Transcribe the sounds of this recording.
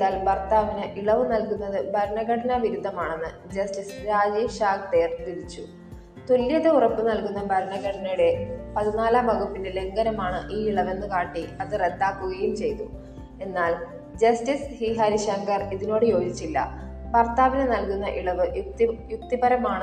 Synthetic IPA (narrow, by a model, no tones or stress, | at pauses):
aːlbɐrt̪aːʋinɨʔiɭɐʋɨnɐlkunːɐðɨbʱɐɾɳɐɣɐʈʰɐnɐʋiɾud̪ʱːɐmaːɳe̞nːɨd͡ʑɐstisɾaːd͡ʑiːɕaːkt̪eːrʋiðit͡ɕːu | t̪ulːjeðɐurɐpːɨnɐlkunːɐbʱɐɾɐɳɐɣɐʈʰɐnɐjuɽe̞pɐðinaːlaːmbɐɣupːinde̞le̞ŋɡɐnɐmaːɳɨʔiːiɭɐʋe̞nːɨkaːʈːiɐðɨre̞d̪ːaːkːuɣɐjumt͡ɕe̞jt̪u | e̞nːaːl | d͡ʑɐstishiɦɐɾiɕɐŋɡɐriðino̞ːɽɨjo̞ːd͡ʑit͡ɕːilːɐ̰bɐrt̪aːʋinenɐlkunːɐʔiɭɐʋɨj̪juk̚t̪ibɐɾɐmaːɳɨ